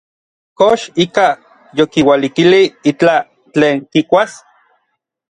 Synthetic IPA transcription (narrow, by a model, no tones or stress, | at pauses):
koʃika | jokiwalikiliit͡ɬa | t͡ɬeːŋkikʷas